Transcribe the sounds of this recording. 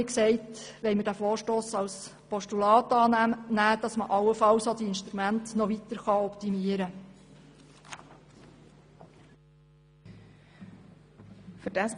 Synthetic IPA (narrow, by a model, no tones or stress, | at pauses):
iksɛɪtʋɛɪməɾd̥æfoːɾʃtoːsɑws | pɔʃtulɑːtɑːnæmnæːd̥ɑsməʔɑwəfɑwsod̥̪iɪnʃtɾumæntnɔʋit̪əɾχɑɔptimiəɾə | fydæs